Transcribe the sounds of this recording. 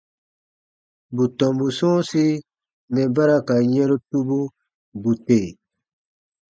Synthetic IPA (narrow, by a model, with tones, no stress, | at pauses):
bu˨tɔ̃˨mbu˨sũ˦si˦ | mɛ˨ba˦ɾa˦ka˨ɲɛ̃˦ɾu˦tu˦bu˦ | bu˨te˨